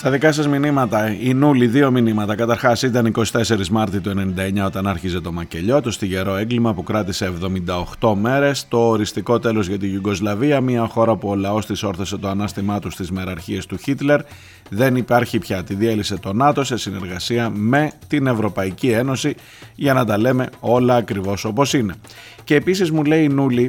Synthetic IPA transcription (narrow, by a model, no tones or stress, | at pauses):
st̪ɐðikɐsɐzminimɐt̪ɐinuliðio̞minimɐt̪ɐkɐt̪ɐɾxɐsit̪ɐniko̞si̥t̪e̞se̞ɾizmɐɾt̪it̪oene̞nind̪ɐe̞ɲɐo̞t̪ɐnɐɾçize̞t̪o̞mɐce̞ʎo̞t̪o̞st̪iʝe̞ɾo̞e̞ŋɡlimɐpukɾɐt̪ise̞ːvðo̞mind̪ɐoxt̪o̞me̞ɾe̞st̪o̞ːɾist̪iko̞t̪e̞lo̞zʝɐt̪iʝuɡo̞zlɐviɐmiɐxo̞ɾɐpuo̞lɐo̞st̪iso̞ɾθose̞t̪oɐnɐst̪imɐt̪ust̪izmeɾɐɾçiest̪uçit̪le̞ɾ | ðe̞nipɐɾçipçɐt̪iðielise̞t̪o̞nɐt̪o̞sesine̞ɾɣɐsiɐme̞t̪ine̞vɾo̞pɐicie̞no̞si | ʝɐnɐt̪ɐle̞me̞o̞lɐːkɾivo̞so̞po̞sine̞ | ceːpisizmule̞inuli